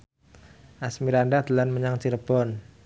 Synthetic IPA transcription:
ʔasmiɾandad̪əlanməɲaŋt͡ʃiɾb̥ɔn

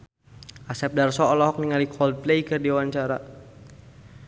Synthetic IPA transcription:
ʔasɛp̚darsɔɔlɔɦɔk̚niŋalikʰɔld̚plejkɨrdiwaɲt͡ʃaɾa̰

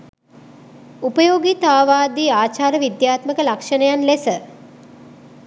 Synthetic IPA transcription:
upəjoːɡit̪aːʋaːd̪iaːt͡ʃaːɾəʋid̪jaːt̪məkəlakʂənəjanlesə

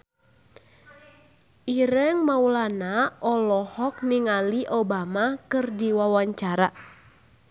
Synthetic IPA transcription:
ʔiɾəŋmaulanaʔɔlɔhɔk̚niŋaliʔobamakɨrdiwawaɲt͡ʃaɾa

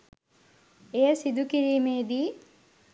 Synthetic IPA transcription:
ejəsid̪ukiɾiːmeːd̪iː

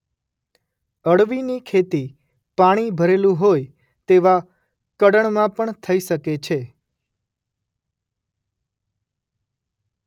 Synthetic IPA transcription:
əɽʋinikʰet̪i | paɽ̃ibʱəɾelũɦoj | t̪eʋa | kəɽəɳmãpəɳt̪ʰəiʃəket͡ʃʰe

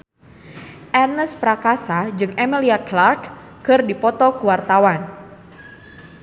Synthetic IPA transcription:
ʔɛrnəspɾakasad͡ʒɨŋʔɛmiliaklarkː | ɨrdipɔt̪ɔkəwart̪awan

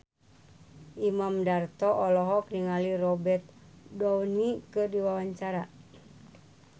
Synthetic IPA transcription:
ʔimamdart̪ɔʔɔlɔɦɔk̚niŋalirɔbɛt̪̚dɔwnikɨrdiwawaɲt͡ʃaɾa

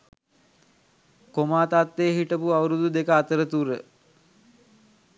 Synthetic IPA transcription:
komaːt̪at̪ːeːɦiʈəpuawɾud̪ud̪ekəat̪əɾət̪uɾə̰

